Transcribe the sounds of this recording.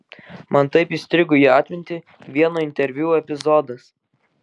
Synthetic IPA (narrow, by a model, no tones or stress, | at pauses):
mɐnt̪ɐɪpisʲt̪ʲɾʲɪɡʊjiːɑːt̪ʲʋʲɪnʲt̪ʲɪ | ʋʲiɛnoːɪnʲt̪ʲɛɾʲʋʲjuːɛpʲɪzɔːd̪ɐs